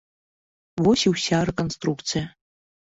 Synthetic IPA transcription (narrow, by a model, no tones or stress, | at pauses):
wosiwsʲarekʼonstrukt͡sʰɨja